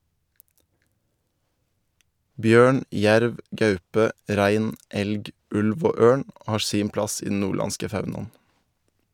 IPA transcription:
ˈbjøːɳ ˈjæɾʋ ˈɡɑʉpə ˈɾæɪn ˈɛlɡ ˈʉlʋ ˈoː ˈøːɳ ˈhɑːɾ ˈsiːm ˈplɑs ˈiː dn̩ ˈnuːˌɭɑnskə ˈfɑʉnɑn̩

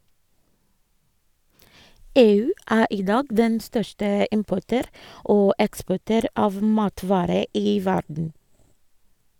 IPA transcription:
ˈeːˌʉː ˈʔæː ˈʔiː ˈdɑːɡ ˈdɛn ˈstœʃʈə ˈɪmpɔʈøːɾ ˈʔoː ˈɛkspɔʈøːɾ ˈɑːʋ ˈmɑːtʋɑːɾə ˈiː ˈʋæɖɳ̩

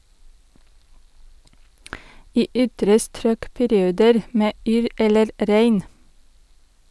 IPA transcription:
ˈiː ˈʏtɾə ˈstɾøːk pæɾɪˈuːdəɾ ˈmeː ˈyːɾ ˈɛləɾ ˈɾæɪn

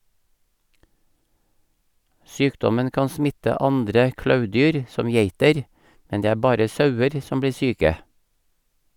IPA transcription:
ˈsyːkdɔmən ˈkɑːn ˈsmɪtə ˈɑndɾə ˈklɑʉˌdyːɾ ˈsɔm ˈjeɪtəɾ ˈmɛn ˈdeː ˈæː ˈbɑːɾə ˈsɑʉəɾ ˈsɔm ˈbliː ˈsyːkə

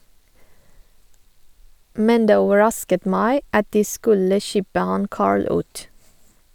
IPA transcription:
ˈmɛn ˈdeː ˈoːʋəˌɹɑskət ˈmæɪ ˈɑt ˈdiː ˈskʉlə ˈçɪbə ˈhɑn ˈkɑːɹɭ ˈʉːt

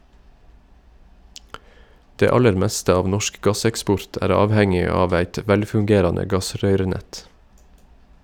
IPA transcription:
ˈdeː ˈɑləɾ ˈmɛstə ˈɑːʋ ˈnɔʃk ˈɡɑsɛkˌspɔɹt ˈæːɾ ˈɑːʋhɛŋɪ ˈɑːʋ ˈæɪt ə ˈʋɛlfʉŋˌɡeːɾɑnə ˈɡɑˌsɾœʏɾəˌnɛt

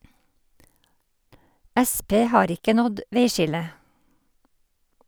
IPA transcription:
ˈæˌspeː ˈhɑːɾ ˈɪkə ˈnɔd ˈʋeɪˌʃɪlə

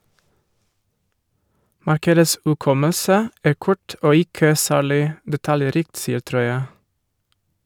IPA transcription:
ˈmɑɾkədəs ʉˈkɔməsə ˈæː ˈkʊʈ ˈoː ˈɪkə ˈsæːɭɪ dɛˈtɑljɛˌɾiːkt ˈsiːəɾ ˈtɾɔʏə

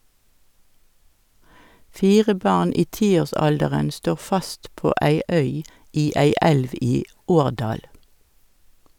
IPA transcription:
ˈfiːʁə ˈbɑʁn ˈiː ˈtiːoːʁˌsɑldəʁən ˈstoːʁ ˈfɑst ˈpoː ˈæɪ ˈœʏ ˈiː ˈæɪ ˈɛlʋ ˈiː ˈoːʁˌdɑːl

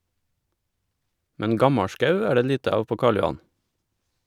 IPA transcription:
ˈmɛn ˈɡɑmɑˌʃkɑʉ ˈæː ˈɖeː ˈʎiːtə ˈɑːʋ ˈpoː ˈkɑːɭ jʊˈɑn

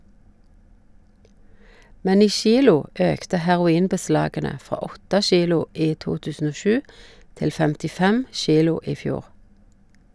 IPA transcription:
ˈmɛn ˈiː ˈʃiːlʊ ˈøːktə hæʁʊˈiːnbəˌslɑːɡənə ˈfʁɑː ˈɔtə ˈʃiːlʊ ˈiː ˈtuː ˈtʉːsn̩ ˈoː ˈʃʉː ˈtɪl fɛmtɪˈfɛm ˈʃiːlʊ ˈiː ˈfjuːʁ

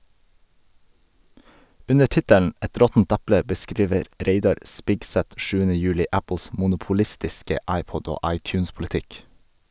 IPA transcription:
ˈʉnə ˈʈɪtəln̩ ˈɛt ˈɾɔtn̩t ˈæplə bəˈskɾiːʋəɾ ˈɾeɪdɑɾ ˈʔspɪɡsɛt ˈʃʉːənə ˈjʉːlɪ ˈæpl̩s mʊnʊpʊˈlɪstɪskə ˈɑɪˌpɔɟ ˈoː ˈɑɪˌtjʉːnspʊlɪˌtɪk

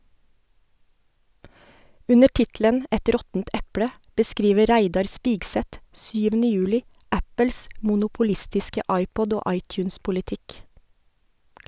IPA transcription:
ˈʉnə ˈʈɪtlən ˈɛt ˈɾɔtn̩t ˈɛpɽə bəˈskɾiːʋə ˈɾæɪdɑɾ ˈspiːɡsɛt ˈsyːʋənə ˈjʉːlɪ ˈæpəls ˌmuːˌnʊpʊˈlɪstɪskə ˈɑɪˌpɔd ˈoː ˈɑɪˌtjʉːnspʊlɪˌtɪk

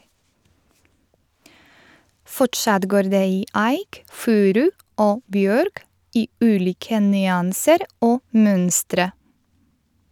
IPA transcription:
ˈfɔʈʃɑt ˈɡoːɾ ˈdeː ˈiː ˈæɪk ˈfʉːɾʉ ˈoː ˈbjøːɾk ˈiː ˈʉːˌliːkə nʏˈɑːnsəɾ ˈoː ˈmœnstɾə

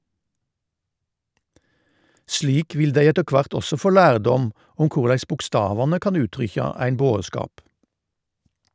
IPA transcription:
ˈʃɭiːk ˈʋɪl ˈdæɪ ˈɛtə ˈkʋɑʁt ˈɔsɔ ˈfoː ˈlæːʁˌdɔm ˈʊm ˈkʊʁlæɪs bʊkˈstɑːʋɑnə ˈkɑn ˈʉːtʁʏçɑ ˈæɪn ˈboːˌskɑːp

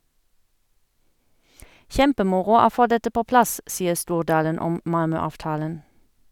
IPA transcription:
ˈʃɛmpəˌmʊʁʊ ˈoː ˈfoː ˈdɛtə ˈpoː ˈplɑs ˈsiːəʁ ˈstuːʁˌdɑːlən ˈɔm ˈmɑlmœɑːʋˌtɑːlən

